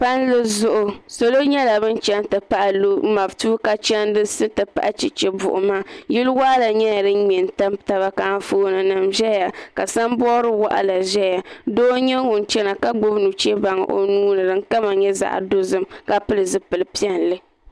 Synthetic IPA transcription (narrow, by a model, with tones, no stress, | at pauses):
pa˦nlɨ˦zʊ˦ʔʊ˨so˨lo˦ɲɛ˦la˨bɨ˦nt͡ʃɛ˦n˦tɨ˨pa˦ʔa˨lo˦ma˨btuː˦ka˦t͡ʃɛ˦n˦dɨ˦sɨ˦tɨ˨pa̰˦ʔa˦t͡ʃi˨t͡ʃɛ˨bʊ̰˨ʔʊ̰˨maː˦ji˦lwa˦ʔa˦la˨ɲɛ˦ja˨dɨ˦mɛ˨n˨ta˦mta˦βa˦ka˨˦foː˦nɨ˨nɨ˨mʒɛ˦ja˨ka˨sa˦m˦bɔː˦ɾɨ˦wa˦ʔa̰˦la˨ʒɛ˦ja˨doː˦ɲɛ˦wʊ˨n˨t͡ʃɛ˦na˨ka˦ɡ͡bo˦bnu˨t͡ʃɛ˦ba˨ŋ̰˨ʔo̰˨nuː˦nɨ˨dɨ˨ŋ˦ka˦ma˨ɲɛ˦za̰˨ʔa̰˨do˦zɨ˦mka˦pɨ˦lɨ˨zɨ˦pɨ˨lɨ˨pi˦ɛ˦n˨lɨ˦